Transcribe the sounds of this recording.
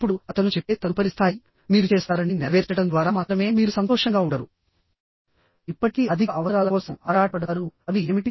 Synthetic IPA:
pːuɽuɐt̪ɐnut͡ʃɛpːe̞ːt̪ɐlupɐɾist̪ʰaːji | miːɾut͡ʃɛːsaːɾɐniniʋɛːɾt͡ʃɐʈɐnd̪ʋaːɾaːmaːt̪ɾɐme̞ːmiːɾusɐnt̪ɔːʂɐŋɡaːuɳɖɐɾṵ | ipːɐʈikiɐd̪ʱiɐʋɐɾaːlɐkɔːsɐmaːɾaːʈɐɽaːɾuɐd̪ieːmiʈi

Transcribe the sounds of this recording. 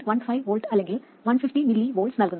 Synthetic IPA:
ʋɐnfɐɪʋʋoːlʈɐlɛ̃ŋɡɪl | ʋɐnfɪfʈimɪlːiʋoːlʈsnɐlkɯnd̪

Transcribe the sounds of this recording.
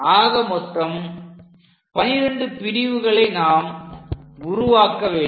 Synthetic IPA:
aːɣɐmɔt̪ːɐm | pɐnɪɾɐɳɖɯpɪɾɪʋɯɣɐɭɐɪnaːm | ʊɾʊʋaːkːɐʋeː

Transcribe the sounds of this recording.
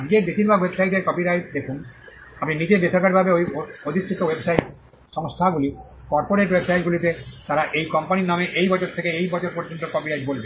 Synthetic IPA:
ad͡ʑɡeɾbeʃiɾbʱaɡwebsajʈeɾkɔpiɾajʈ̚d̪ekʰun | apminid͡ʑeb̪esɔɾkaɾibʱabeojood̪ʱisɾit̪owebsajʈ | ʃɔŋst̪ʰaɡuli | kɔɾpoɾeʈwebsajʈɡulit̪et̪aɾaʔejkɔmpaninameʔejbɔt͡ɕoɾt̪ʰekeejbɔt͡ɕoɾpoɾd͡ʑont̪okɔpiɾajʈbolbe

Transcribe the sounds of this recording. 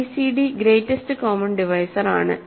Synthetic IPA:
isiɖiɡɾeːtːestɨkoːmɐnɖiʋɐjsɐɾa̰ːɳɨ̰

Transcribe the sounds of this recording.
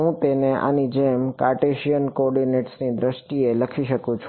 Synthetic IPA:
ɦũt̪eneʔa̰nid͡ʒemkaɾʈeʃijənkɔɔːɾɖineʈsnid̪ɾəʃʈieləkʰiʃəkũt͡ʃʰ

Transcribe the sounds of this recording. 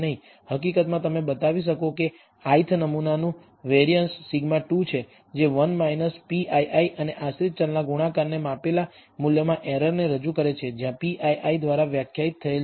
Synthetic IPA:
nəɦĩ | həkikət̪mãt̪əmebət̪aʋiʃ̬əkoke | ait̪ʰnəmunanũ | ʋeɾijənsːiɡmaʈut͡ʃʰe | d͡ʒeʋənmainəspiʔaiʔaiʔəneʔasɾit̪̚t͡ʃəlnaɡuɽ̃akaɾnemapela | muljəmãʔeɾəɾneɾəd͡ʒukəɾet͡ʃʰed͡ʒjãpiʔaiʔaid̪ʋaɾaʋjakʰjait̪ʰːəel

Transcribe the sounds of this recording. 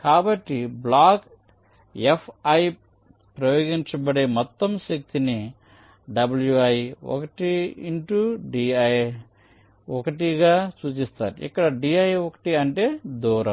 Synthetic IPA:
kaːbɐʈːiblaːk | epʰɐj | pɾɐjoːɡiɲt͡ʃɐbɐɽeːmɔt̪ːɐmʃɐk̚t̪ini | ɖɐbɐljuɐjiɔ̰kɐʈiiɳʈuɖiːɐj | ɔkɐʈiɡaːsuːt͡ʃist̪a̰ːɾiḭkːɐɽɐɖiɐjɔkɐ̥ʈiɐɳʈe̞ːd̪uːɾɐm

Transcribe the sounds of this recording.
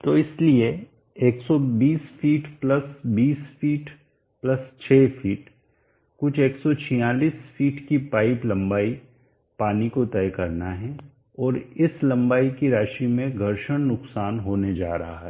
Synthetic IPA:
t̪oːɪslie | eːksɔbiːsfiːʈplɐsbiːsfiːʈ | plɐst͡ʃʰeːfʰiːʈ | kʊt͡ʃʰeːksɔt͡ʃʰijaːliːsfiːʈkipaːɪplɐ̃mbaːi | paːnikot̪ɛːjkɐɾnaɦɛ̃ | ɔːɾɪslɐ̃mbaːikiɾaːʃimẽɡʱɐɾʃəɽ̃nʊksaːnɦoːned͡ʒa̰ːɾɐɦa̰ɦɛː

